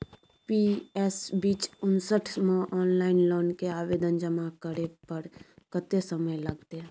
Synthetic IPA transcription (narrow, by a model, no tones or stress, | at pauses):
piːɛsbiːt͡ʃʊnsəʈʰmẽʔɔːnlaːɪnloːnkeaːʋeːd̪ənd͡ʒəmakəɾepəɾkət̪esəməjlɐɡt̪e